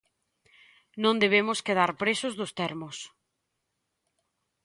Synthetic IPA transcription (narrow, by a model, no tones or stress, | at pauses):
nõnd̪eβ̞emʊskeð̞aɾpɾesʊzðʊst̪ɛɾmʊs